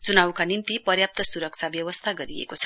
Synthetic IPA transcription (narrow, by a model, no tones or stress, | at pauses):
t͡sunawkanint̪ipʌrjap̚t̪ʌsuɾʌk̚t͡sʰabjʌwʌst̪ʰaɡʌɾiḛkot͡sʰʌ̥